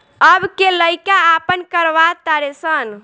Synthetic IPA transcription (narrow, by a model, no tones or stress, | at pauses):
əbkeləjkaːpənkəɾʋat̪aɾesən